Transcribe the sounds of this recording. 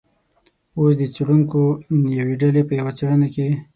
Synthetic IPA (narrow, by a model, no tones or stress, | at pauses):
os̬d̪ət͡seɽuŋkonjaweɖalepəjawat͡seɽənake